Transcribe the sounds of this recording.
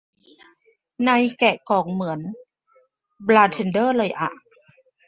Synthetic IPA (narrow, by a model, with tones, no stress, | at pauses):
na˧jkɛ˨˩ʔkɔː˩ŋmɯ˩˦ən | blaː˧t̪ʰe˧ndɤː˥˨lɤː˧˩jʔa̰˨˧˩ʔ